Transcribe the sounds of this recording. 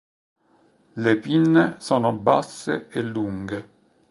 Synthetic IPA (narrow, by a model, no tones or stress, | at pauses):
lepinːesɔːnoba̰sːḛelːuŋɡe